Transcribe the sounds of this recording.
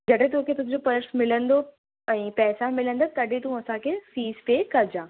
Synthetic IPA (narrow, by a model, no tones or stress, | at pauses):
d͡ʑɐɽẽt̪õːkʰet̪ʊ̃ɦɪ̃ɲd͡ʑopɐɾəʈsmɪlə̃nd̪o | ɛ̃ːpɛːsamɪlə̃nd̪at̪ɐɗet̪ũɐsãkʰeːfiːzpeːkɐɾd͡ʑãː